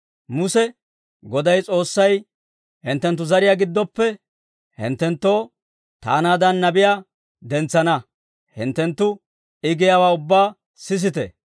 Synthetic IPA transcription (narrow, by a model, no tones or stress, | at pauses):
mʊsɛ | ɡɔd̪ɐjt͡sʼo̞ːsːɐj | hɪnt̪ːɛnt̪ːʊzɐɾɪjaːɡɪd̪ːɔpːɛ | hɪ̰nt̪ːɛnt̪ːoː | t̪a̰ːnaːd̪ɐnːɐbɪjaː | d̪ɛnt͡sːɐnɐ | hɪ̰nt̪ːɛnt̪ːʊ | ɪɡɪjawaːʊbːaː | sɪs̬ɪt̪ɛ̰